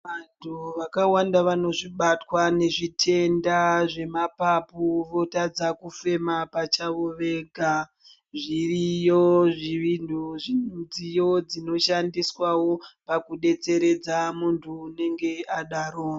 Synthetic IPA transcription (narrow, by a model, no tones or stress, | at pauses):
ʋantʰuʋakawandaʋano̞ʐiɓatwane̞ʐitʰe̞ndaʐe̞mapapuʋo̞tad͡zakufe̞mapat͡ʃaʋoʋe̞ɡʱa | ʐirijoʐiʋinduʐiud͡zijo̞d͡zino̞ʃandiswawo̞pakuɗe̞t͡se̞ɾe̞d͡zamuntʰuːne̞ŋɡe̞aɗaɾo